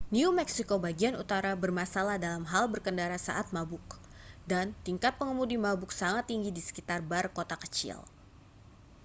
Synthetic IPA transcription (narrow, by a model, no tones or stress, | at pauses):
niumɛksikobaɡianut̪aɾabərmasalahdalamɦalbərkəndaɾasa̰ʔat̪̚mabʊk | dant̪iŋkat̪̚pəŋəmudimabʊksaŋat̪ːiŋɡidisə̥kit̪arbarkot̪akə̥t͡ʃḭl